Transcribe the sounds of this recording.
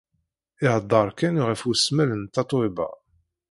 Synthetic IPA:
ɪhəd̪ˤːɑɾˤkænuʁəfusmælənt̪ːɑt̪ˤwibɑ̰

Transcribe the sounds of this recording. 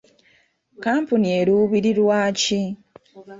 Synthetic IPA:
kaːmpunie̞ɾuβiɾiɾwaːci

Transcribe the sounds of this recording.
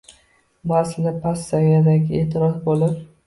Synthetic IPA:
masɪnɪpʰasːaad̪aɡʲeːt̪ʰɪɾɒzbolˠɪp

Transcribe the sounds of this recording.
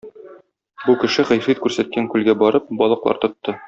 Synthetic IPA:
bukɘ̆ʃɘʁæjfit̪̚kʉɾsæt̪̚kæŋkʉlɡæbɒɾɤp̚bɒlˠɤ̆qlˠɑ̰ɾt̪ŏt̪ːɤ

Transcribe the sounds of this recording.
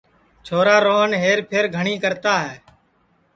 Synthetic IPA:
t͡ʃʰoːɾaːɾoːnɦeːɾpʰeɾɡʱəɳiːkəɾt̪aːɦɛː

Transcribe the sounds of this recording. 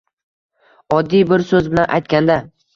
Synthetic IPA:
ɒd̪ːijbɪɾsɵzbɪlanʔa̰jt̪̚kʲand̪a

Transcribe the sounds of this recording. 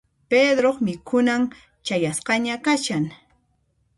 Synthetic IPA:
ped̪ɾoχmɪkʰʊnam | t͡ʃajasqɑɲakaʃaŋ

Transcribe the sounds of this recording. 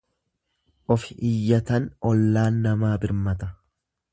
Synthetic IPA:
ʔɔfɪ̥ʔɪjːɐt̪ɐnɔlːaːnːɐmaːbɪɾmɐt̪ɐ̥

